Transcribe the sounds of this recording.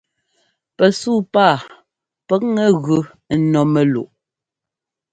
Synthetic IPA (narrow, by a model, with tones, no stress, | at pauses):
pɛ˨suː˦˨paː˦˨ | pɛ˦k̚ŋɛ˦ɣʉ˨˦ | nɔ˨mɛ˨lṵ˨ʔ